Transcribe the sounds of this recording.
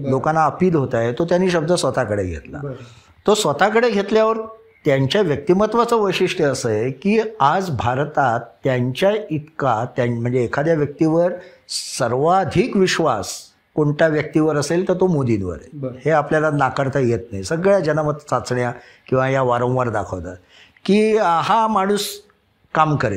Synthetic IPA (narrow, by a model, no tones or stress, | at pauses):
lokãnːaəpiːd̪ɦot̪ajet̪ot̪janːiːɕəb̚d̪ʱəsʋət̪akəɽeɡʱḛt̪la̰ | t̪osʋət̪akəɽeɡʱet̪ljaʋəɾ | t̪jaɲt͡ɕjaʋjək̚t̪imət̪ʋat͡səʋəjɕiʂʈəəsəekiːad͡zbʱaɾt̪at̪ːjaɲt͡ɕjait̪kat̪jam̤əɳd͡zeːkʰad̪jaʋjək̚t̪iʋəɾsəɾʋad̪ʱikʋiɕʋas | koɳʈjaʋjək̚t̪iʋəɾəselt̪əɾt̪omod̪inʋə̰ɾeheapljalanakəɾt̪ʰəjet̪̚najsəɡɭjad͡ʑənamət̪t͡sat͡sɳja | kĩw̃ʋajaʋaɾə̃w̃ʋaɾd̪akʰəʋt̪ə | kiːaɦamaɽ̃uːs | kamkəɾḛ